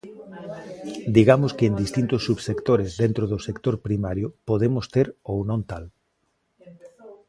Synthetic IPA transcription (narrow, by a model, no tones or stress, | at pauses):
d̪iɣamʊskɪːnd̪ist̪int̪ʊsːuβsekt̪oɾɪzðent̪ɾoðʊsekt̪oɾpɾimaɾjʊpoðemʊst̪eɾownõnt̪al